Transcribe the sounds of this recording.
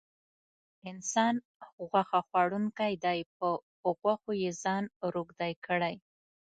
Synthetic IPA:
ɪnsɑn | ɣwaxaxwaɽuŋkajd̪ɑjpə | oɣwaxojezɑnɾoɡd̪ajkəɽaj

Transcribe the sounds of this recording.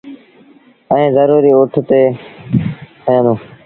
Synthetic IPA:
əĩːzəɾuːɾiːʊʈʰt̪eː | kəjãːd̪ũː

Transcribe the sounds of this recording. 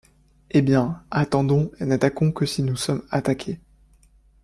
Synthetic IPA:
ebjɛ̃at̪ɑ̃d̪ɔ̃enat̪akɔ̃kəsinusɔmat̪akʲʰe

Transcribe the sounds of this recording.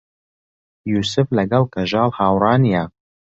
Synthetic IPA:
juːsɨflɐɡɐlˠkʰɐʒɑːlˠhaːwrɑːnja

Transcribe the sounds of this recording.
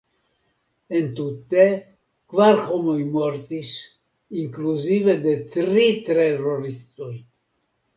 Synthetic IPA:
ent̪ut̪e | kvaɾxomojmoɾt̪is | iŋkluzived̪e̞t̪ɾit̪ɾeɾoɾist̪oj

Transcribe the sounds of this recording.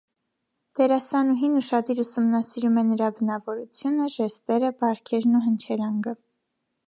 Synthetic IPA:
d̪̥ɛɾɑsɑnuɦinuʃɑd̪iɾusumnɑsiɾumɛnəɾɑbənɑvɔɾut͡sʰjunəʒɛst̪ɛɾəbɑɾkʰɛɾnuɦənt͡ʃʰɛɾɑŋɡə

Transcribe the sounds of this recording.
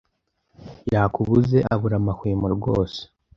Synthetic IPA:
jaːkuβuze̞ʔaβuɾamakwiːmuɾɡo̞ːse̥

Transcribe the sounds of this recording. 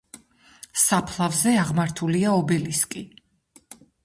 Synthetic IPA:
sapʰlˠavzɛaʁmaɾt̪ʰuliaɔbɛliskʼi

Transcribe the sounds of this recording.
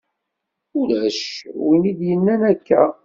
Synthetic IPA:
ʊlæʃwinid̪jənːænækːæ̰

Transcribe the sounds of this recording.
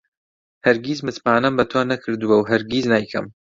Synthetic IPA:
hɐɾɡizmɨt̪paːnɐmbɐt̪ʰoːnɐkʰɨɾd̪uwɐwɦɐɾɡiznaːjkʰɐ̰m

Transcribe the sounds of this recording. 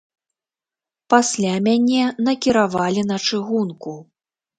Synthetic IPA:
pasʲlʲamʲanʲɛnɐkʲiɾavalʲinɐt͡ʂɨɣunku

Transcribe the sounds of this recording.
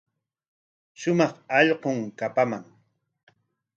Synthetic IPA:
ʃʊmɑχɑʎqoŋkapamaŋ

